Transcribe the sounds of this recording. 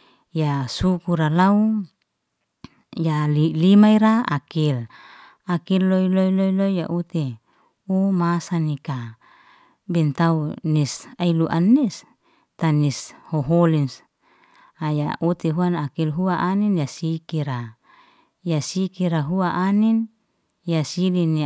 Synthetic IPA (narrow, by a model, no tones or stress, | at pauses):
jasukuɾalau | jalilimaiɾaa̰kil | akilːoiloiloiloija̰ʔut̪e | umasanika | bɛnt̪aunisailuʔanːis | t̪anishoɦolins | aja̰ʔut̪eɦuanakilɦuaʔaninjasikiɾa | jasikiɾaɦuaʔanin | jasilini